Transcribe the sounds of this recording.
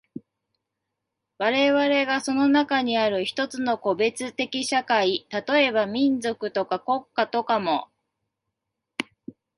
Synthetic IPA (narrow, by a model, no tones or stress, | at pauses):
βaɾe̞βaɾe̞ɡaso̞no̞nakaɲ̟iaɾɯ̟çi̥t̪o̞t͡sɨno̞ko̞be̞t͡sɨt̪e̞kʲiɕakait̪at̪o̞e̞βamʲĩnd͡zo̞kɯ̟t̪o̞kako̞kːat̪o̞kamo̞